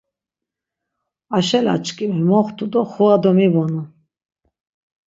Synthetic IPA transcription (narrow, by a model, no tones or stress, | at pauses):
aʃɛla̰t͡ʃkʼimɛmɔχt̪ʰʼud̪ɔχuad̪ɔmibɔnu